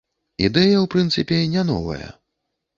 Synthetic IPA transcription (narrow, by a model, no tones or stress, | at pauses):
id̪ɛjɐwpɾɨnt̪sɨpʲɛnʲanɔ̰vɐ̰jɐ̰